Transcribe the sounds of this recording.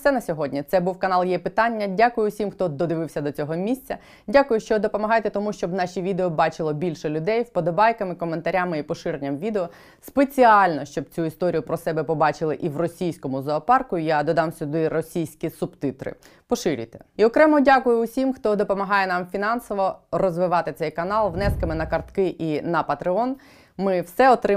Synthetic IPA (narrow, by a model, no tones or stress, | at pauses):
sɛnɐsʲɔɦɔdʲnʲit̪sɛbuwkɐnɑlˠjɛpɪt̪ɑnʲːɐdʲakʊjʊʊsʲimxt̪ɔd̪ɔd̪ɪʋɪwsʲɐd̪ɔt͡sʲɔɦɔmʲisʲt͡sʲɐ | dʲakʊjʊʃt͡ʃɔd̪ɔpɔmɐɦɑjt̪ɛt̪ɔmuʃt͡ʃɔbnɑʃʲiʋʲid̪eɔbɑt͡ʃɪlˠɔbʲilʲʃɛlʲʊd̪ɛjwpɔd̪ɔbɑjkɐmɪkɔment̪ɐɾʲamɪipɔʃɪɾenʲːɐmʋʲid̪eɔ | spet͡sʲiɑlʲnɔʃt͡ʃɔb̚t͡sʲuist̪ɔɾʲijʊpɾɔsɛbɛpɔbɑt͡ʃɪlˠɪʔiwrɔsʲijsʲkɔmʊzˠɔːpɑrkʊijad̪ɔd̪ɑmsʲʊd̪ɪrɔsʲijsʲkʲisʊbt̪ɪt̪ɾɪ̰ | pɔʃɪɾʲɪ̰jt̪ɛ̥iɔkɾɛmɔdʲakʊjʊʊsʲimxt̪ɔd̪ɔpɔmɐɦɑjɛnɑmfʲinɑnsɔʋɔrɔzʋɪʋɑt̪ɪt̪sɛjkɐnɑlˠʋnɛskɐmɪnɐkɐrt̪kɪʔinɐpɐt̪ɾɪɔn | mɪwsɛɔt̪ɾɪ